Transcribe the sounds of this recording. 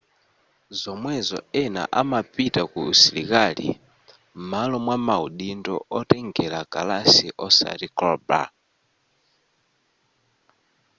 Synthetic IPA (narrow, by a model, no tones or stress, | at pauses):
zɔmwɛzɔ̰ɛna̰ʔamapitakuusilikalḭ | m̩malɔmwamauɗindɔ̰ɔtɛŋɡɛɾaka̰lasiʔɔsa̰ɾikɔba̰